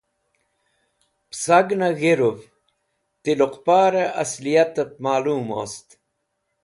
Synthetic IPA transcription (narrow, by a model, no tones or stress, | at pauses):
psaɡnaɣiɾuv | t̪iluqpaːɾeʔɐ̰slijat̪əp̚maːluːmo̰st̪